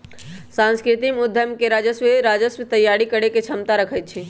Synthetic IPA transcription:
sãnskɾɪt̪imʊd̪ʱjəmkeɾad͡ʒəsʋeɾaːd͡ʒəsʋət̪əjːaɽikəɽeket͡ʃʰəmt̪aɾəkʰət̪̚t͡ʃʰi

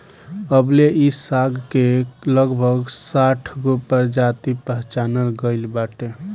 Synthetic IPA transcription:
əbleʔisaɡkeləɡbʱəɡsaʈʰɡopəɾd͡ʒat̪ipəɦt͡ʃanəɾɡəɪlbaʈe

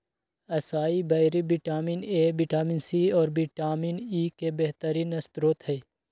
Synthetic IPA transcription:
ɐsaːibɐɾibiʈaːmineːbiʈaːmiːnsiːɔːɾbiʈaːminiːkebeɦt̪əɾinɐst̪ɾoːt̪ɦɛ

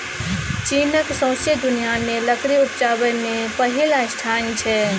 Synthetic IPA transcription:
t͡ʃinəksə̃sjəd̪unijameləkɾiut̪̚d͡ʒabəmepəɦilaɪsʈʰant͡ʃʰɛ

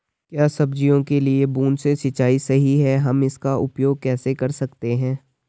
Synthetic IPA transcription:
kjaːsɐbd͡ʒijõkeliebuːnsesɐt͡ʃaːisɐɦiɦɛɦɐmɪskaʔʊpjoːɡ̚kɛːsekɐɾsɐkt̪eɦɛ̃ː

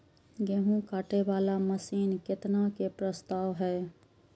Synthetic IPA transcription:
ɡeɦũkaːʈebaːlaməsiːnkɪt̪nakepɾəst̪aːwɦɛː

